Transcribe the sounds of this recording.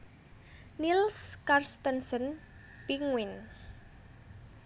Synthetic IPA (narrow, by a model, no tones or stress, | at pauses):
nilskarst̪ənsən | piŋwin